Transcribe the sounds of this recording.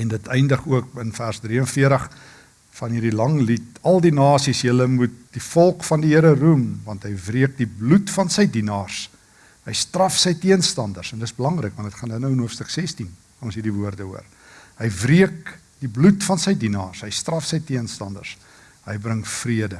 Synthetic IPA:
ɛndətɛjndəχuəkənfærzdriənfiəɾəχ | fɐnɦiːrdilɐŋlit̚ɐlˠdinɑːsisjələmut̚difɔlˠkfɐndiɦiəɾərumvɐntɦəjvriək̚diblutfɐnsəjdinɑːrs | ɦəjstrɐfsəjtiənstɐndərsɛndətəszbəlɐŋrəkvɐndətχɑndənəwənɦuəfstəksɛstin | nɔ̃nsɦiːɾdivuərdəuər | ɦəjvriək̚ | diblutfɐnsəjdinɑːrsɦəjstrɐfsəjtiənstɐndə̰rs | ɦəjbrəŋfriədə

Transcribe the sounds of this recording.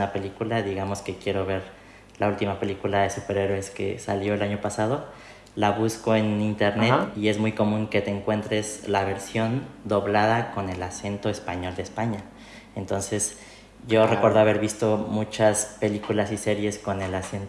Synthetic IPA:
ape̞likulaðiɣamo̞ske̞kje̞ɾo̞β̞e̞ɾ | lault̪imape̞likulaðe̞supe̞ɾe̞ɾwoeske̞̰saljoelaɲo̞pasað̞o̞ | laβusko̞e̞nint̪e̞ɾnet̪ie̞zmujko̞mũŋke̞t̪e̞ːŋkwe̞nt̪ɾe̞zlaβ̞e̞ɾsjo̞nd̪o̞βlaðako̞ne̞lase̞nt̪o̞espaɲo̞ld̪espaɲa | ent̪o̞nse̞z | ɟ͡ʝo̞re̞ko̞ɾðoaβe̞ɾβist̪o̞mut͡ʃaspe̞likulasise̞ɾje̞sko̞ne̞lasent̪

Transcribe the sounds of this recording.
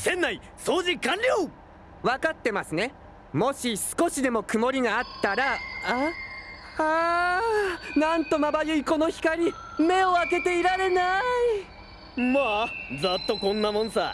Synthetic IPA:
sẽ̞nːai | so̞ːʑikãnɾʲo | βakat̪ːe̞masɨne̞ | mo̞ɕisɨ̥ko̞ɕid̪e̞mo̞kɯ̟mo̞ɾʲiɡaːt̪ːaɾaa | ha | nãnt̪o̞mabajɯiko̞no̞çi̥kaɾʲi | me̞o̞ake̞t̪e̞iɾaɾe̞nai | mazat̪ːo̞kõ̞nːamõnsa̰

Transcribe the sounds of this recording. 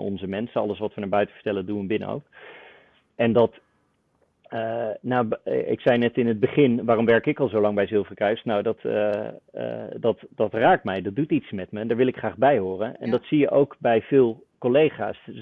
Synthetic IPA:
ɔ̰nzəmɛnsənɑ̰lˠəsʋɑtʋənaːɹbœɥtə̥və̥ɹtɛlədunɛnbɪnə̰o̰wk | ɛndɑt | nawɪ̰ksɛjnɛtɪnɦəd̚bəχɪnʋaːrɔmʋɛɹkɪkɑlˠzowlɑŋbɛjzɪlˠfəɹkrœɥsnawdɑtː | dɑtdɑtraːk̚tmɛjdɑt̚dutitsmɛtməndaːɹʋɪlˠɪkχraːχbɛjɦʊːrənɛ̰ndɑtsijəʔowkbɛjv̥ɪːlˠ | kolejχa̰ːs

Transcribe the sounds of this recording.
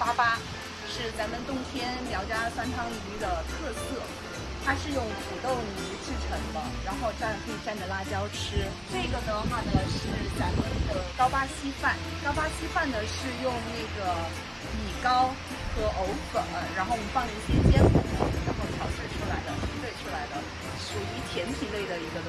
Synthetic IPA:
papa | ʂɻ̩t͡saɪmənt̪ʊŋt̪ʰjɛnljɑʊt͡ɕjasantʰɑŋnyd̪ət̪ʰɤsɤ | t̪ʰaʂɻ̩jʊŋput̪oʊnyʈ͡ʂɻ̩ʈ͡ʂʰɤŋməŋɻanxoʊʈ͡ʂankʰəʈ͡ʂandəlat͡ɕjɑʊʈ͡ʂʰɻ̩ | naɡənəad̪əʂɻ̩t͡saɪmənd̪əkɑʊpaɕifan | kɑʊpaɕifand̪əʂɻ̩jʊŋneɪɡə | mikɑʊ | xɤʔoʊfəŋɻanxofɑŋiɕjɛpjɛnkəəɻanxoʊt̪ʰjɑʊʈ͡ʂɻ̩ʈ͡ʂʰulaɪd̪əxit̪weɪʈ͡ʂʰulaɪd̪ə | ʂuyt̪ʰjɛnpʰileɪd̪əiɡə

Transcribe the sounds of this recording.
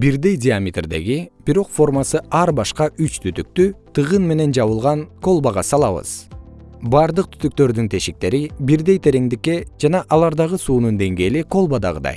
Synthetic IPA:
biɾd̪e̞jd̪ʲɪamʲɪt̪rd̪e̞̰ɡib̥iɾo̞qfo̞rmasɯɑɾbɑʃqɑʔyt͡ʃt̪ʰyt̪yk̚t̪yt̪ʰɯʁɯnme̞ne̞nd͡ʒɑβɯlˠʁɑnko̞lˠbaʁɑsɑlˠɑβɯ̰z̥ | bɑɾd̪ɯq̚t̪ʰy̥t̪yk̚t̪ø̞ɾd̪ynt̪ʰe̞ʃik̚t̪e̞ɾibiɾd̪e̞jt̪ʰe̞ɾe̞ŋd̪ikːe̞d͡ʒɑnɑʔɑlˠɑɾd̪ɑʁɯsuːnund̪e̞ŋɡe̞ːliko̞lˠbad̪ɑ̰ʁɯ̰d̪ɑ̰j

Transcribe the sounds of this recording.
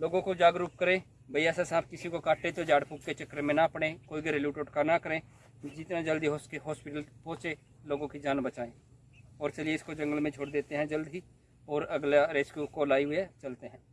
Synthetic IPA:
loːɡõkod͡ʒaːɡɾuːp̚kəɾẽ | bʱɐijasasãːpʰkɪsikokaːʈẽt̪od͡ʒaːɽpʊːkːet͡ʃɐkɾemẽnapəɽ̃ẽkoːiɡiɾeljuːʈoːʈkanakəɾẽː | d͡ʒɪt̪nad͡ʒɐld̪iɦɔːskeɦɔːspɪʈəlpɔ̃ːt͡ʃẽ | loːɡõkid͡ʒaːnbɐt͡ʃaːẽː | ɔːɾt͡ʃɐlieɪskod͡ʒɐ̃ŋɡəlmẽd͡ʒʰʱoːɽd̪eːt̪eɦɛ̃d͡ʒɐld̪ʱi | ɔːɾɐɡlaɾeːskjukolaːiɦʊet͡ʃɐlt̪eɦɛ̃ː

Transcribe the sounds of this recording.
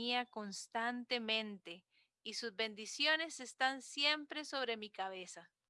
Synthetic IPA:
iako̞nst̪ant̪e̞mẽ̞nt̪e | isuzβe̞nd̪isjo̞ne̞se̞st̪ansje̞mpɾe̞so̞βɾe̞mikaβe̞sa

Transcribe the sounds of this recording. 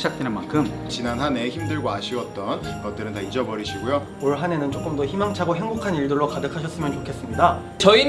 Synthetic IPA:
id͡ʑak̚t͈wenɯnmankʰɯm | t͡ɕinanɦane̞çimdɯɭɡoaɕʰiwʌt̚t͈ʌn | ɡʌt͈̚ɯɾɯntaid͡ʑʌbʌɾiɕʰiɡojo | oɭɦane̞nɯnt͡ɕ͈ok͈ɯmdʌçimaŋt͡ɕʰaɡoɦeŋbokʰaniɭdɯɭːokadɯkʰaɕ̬ʰʌs͈ɯmjʌnt͡ɕokʰe̞s͈ɯmɲida | t͡ɕʌi

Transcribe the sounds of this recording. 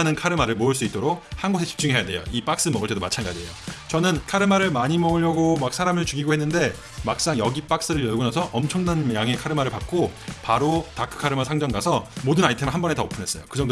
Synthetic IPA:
nɯnkʰaɾɯmaɾɯɭmoɯɭs͈uit̚t͈oɾok̚hanɡosʰe̞t͡ɕi̥p̚t͡ɕ͈uŋɦe̞jade̞̰jo̰ip͈ak̚s͈ɯmʌɡɯɭt͈e̞domat͡ɕʰanɡad͡ʑiɦejot͡ɕʌnɯnkʰaɾɯmaɾɯɭmaɲimʌɯʎːʌɡomak̚s͈ʰaɾamɯɭt͡ɕuɡiɡohenːɯnde̞ | mak̚s͈aŋjʌɡip͈ak̚s͈ɯɾɯɭjʌɭɡunasʰʌʔʌmt͡ɕʰʌŋnanjaŋe̞kʰaɾɯmaɾɯɭpak̚k͈opaɾotakʰɯ̥kʰaɾɯmasʰaŋd͡ʑʌŋɡasʰʌmodɯnaitʰemɭɦanbʌne̞tʌpʰɯnes͈ʌ̰jo̰kɯd͡ʑʌŋdo

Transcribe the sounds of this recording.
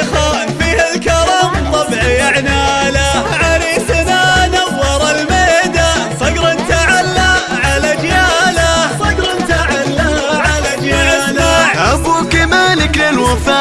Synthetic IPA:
xaːnfiːhalkɑɾˤɑːmt̪ˤɑbʕjaʕnaːlaʕalisananawːɑɾˤɑlmaːd̪asˤɑɡɾɑnt̪aʕalːa | ʕalad͡ʒjaːlasˤɑɡɾnt̪aʕalːa | ʕalad͡ʒjaalaʔakukamaːlɪklɪlwafaː

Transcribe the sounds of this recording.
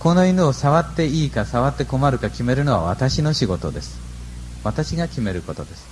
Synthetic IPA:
ko̞no̞inɯosaβat̪ːe̞iːkasaβat̪ːe̞ko̞maɾɯ̟kakʲime̞ɾɯ̟no̞βa̰βat̪aɕino̞ɕiɡo̞t̪o̞d̪e̞sɨ̥ | βat̪aɕiɡakʲime̞ɾɯ̟ko̞t̪o̞d̪e̞sɨ̥

